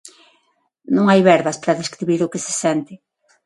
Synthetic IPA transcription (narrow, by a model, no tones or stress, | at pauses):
nõŋajβɛɾβɐspaɾɐðeskɾiβiɾʊkɪsɪ̥sɛnt̪ɪ